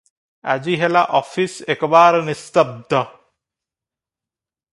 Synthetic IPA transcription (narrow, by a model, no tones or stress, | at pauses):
a̰d͡ʑiɦelaʔɔfisekbaːɾnist̪ɐb̚d̪ɔ